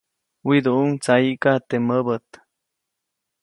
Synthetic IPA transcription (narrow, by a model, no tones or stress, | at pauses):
wid̪uuŋt͡saiʔkat̪eməbət̪